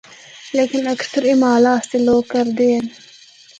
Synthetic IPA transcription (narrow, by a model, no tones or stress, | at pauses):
leːkinɐkst̪ʰʊɾimaːlaːst̪iloːkɐɾd̪eːn